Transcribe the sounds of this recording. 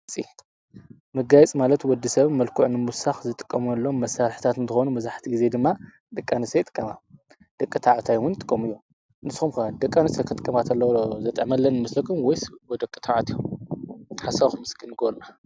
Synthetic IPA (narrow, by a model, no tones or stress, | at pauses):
t͡sʼḭ | mɐɡajɛt͡sʼmalɐt̪wɔd̪ːisɐβmɐlkʰuʕnɨmusaxzɨt̪ʼɨ̥kʼːɐmuɐlːo̞mːɐsaɾħt̪ʰat̪ɨnt̪ɨxonumɐzaħt̪ʰiɡize̞d̪ɨmːa | d̪ɐkʼːanɨsɐjt̪ʼɨ̥kʼːɐma | d̪̥ɐkʼːɨt̪ʰaʕt̪ʰajwʊnt̪ʼɨ̥kʼːɐmɨjːo | nɨsxumkɐd̪ɐkʼːanɨsɐjkʰɨt̪ʼɨ̥kʼːɐmat̪ʰɐlːɐwzɐt̪ʼɐʕmɐlːɐnmɨslɐkʰumwɔjsbod̪ɐkʼːɨt̪ʰaʕt̪ʰjom | ħasaβxumɨskɨnɡolna